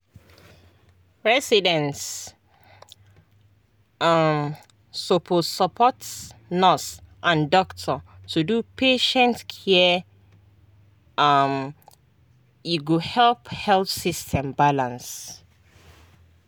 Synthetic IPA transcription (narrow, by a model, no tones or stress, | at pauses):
ɹɛsidɛ̃nt | mː | opʰossəpʰɔtnɔsʔãndɔktʰɔtʰudupʰeʃɛ̃ntkʰɛ | ʌm | juɡohɛlphɛlθsistʰɛ̃mbalãns